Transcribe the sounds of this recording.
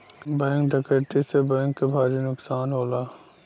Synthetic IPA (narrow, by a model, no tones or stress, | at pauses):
bɛ̃ːŋkɖɐkəɾʈ̪isebɛ̃ːŋkːebʱaːɾinʊksaːnɦoːlaː